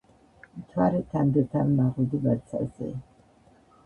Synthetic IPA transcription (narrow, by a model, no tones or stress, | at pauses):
mt̪ʰwaɾɛt̪ʰand̪ɛt̪ʰamːaʁud̪ibat̪sʰa̰zɛ̰